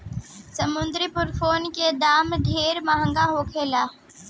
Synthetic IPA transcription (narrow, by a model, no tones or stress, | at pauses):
sɐmʊnd̪ɾipʊɾfʰoːnked̪aːmɖʱeːɾmaɦə̃ŋɡaɦoːkʰeːlaː